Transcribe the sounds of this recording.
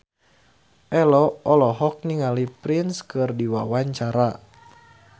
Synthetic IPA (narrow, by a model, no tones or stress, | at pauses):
ʔɛlɔɔlɔɦɔk̚niŋalipɾinskɨrdiwawaɲt͡ʃaɾa